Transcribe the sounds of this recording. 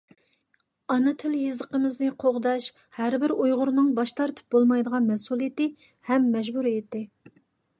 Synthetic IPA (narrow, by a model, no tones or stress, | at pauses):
ɑnɨt̪ʰɪljɨzəqəmɪznɪqʰoʁd̪ɑʃ | hæɾbɪɾujʁʊɾnɨŋbɑʃt̪ʰɑɾt̪ʰɨ̥p̚bolˠmɑjd̪əʁɑnmɛsulˠijet̪ɪ | hɛmːɛʒbuɾejt̪ːɪ